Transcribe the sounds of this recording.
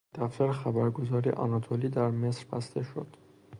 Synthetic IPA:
d̪̥æft̪æɾxæbæɾɡo̞zɒːɾḭʔɒ̰nɒt̪ʰoliːd̪æɾmesɾbæ̰st̪ʰe̞ʃod̪̥

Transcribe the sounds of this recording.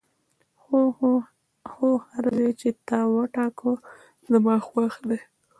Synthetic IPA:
o | xohaɾzet͡ʃet̪ɑwəʈɑko | zəmɑxwaxd̪e

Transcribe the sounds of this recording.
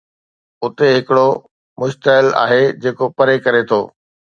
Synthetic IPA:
ʊt̪eɦɪkɪɽo | mʊʃt̪əɦɪla̰ːɦed͡ʑeːkopɐɾekɐɾet̪ʰoː

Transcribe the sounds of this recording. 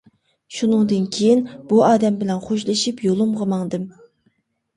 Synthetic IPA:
ʃunɨŋd̪ɨnkʲʰejinb̥uɑːd̪ɛmbɪlɛnχoʃlˠɨʃipjolˠɨmʁəmɑŋd̪ɨm

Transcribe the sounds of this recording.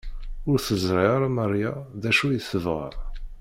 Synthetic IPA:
ʊɾθəzˤɾiɾˤməɾˤjaðæʃujəθəvʁə̰ɾ

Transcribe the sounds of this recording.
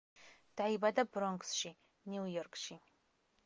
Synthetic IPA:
d̥aibadɐbrɔŋksʃi | nuwjɔrkʃi

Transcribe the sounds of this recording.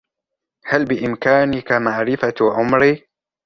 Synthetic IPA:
halbɪʔɪmkaːnɪkamaʕɾɪfaʕʊmɾi

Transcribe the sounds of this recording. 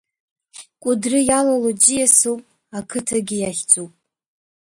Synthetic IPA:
kʷʼʊdrɨjalalod͡ʒijasowpʼ | akʰɨtʰaɡʲijaχʲt͡sʼupʼ

